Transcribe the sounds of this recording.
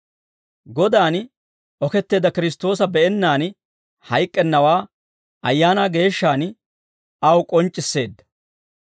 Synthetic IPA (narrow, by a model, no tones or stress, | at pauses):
ɡɔd̪aːn | ɔkɛt̪ːe̞ːd̪ɐkɪɾɪs̬t̪ːo̞ːsɐbɛɛnːaːn | hɐjkʼːɛnːɐwaː | ɐjːaːnaːɡe̞ːʃːaːn | ɐwkʼɔnt͡ʃʼːɪsːe̞ːd̪ːɐ̥